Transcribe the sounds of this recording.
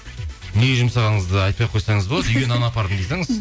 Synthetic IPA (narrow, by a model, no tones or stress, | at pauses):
neɡʲeʒəmsɑʁɑɴəzd̪əɑjt̪̚pɑjqʰojsɑɴəzbolˠɑd̪əʏjʲenɑnɑpʰɑɾd̪ənd̪ejsɑŋəz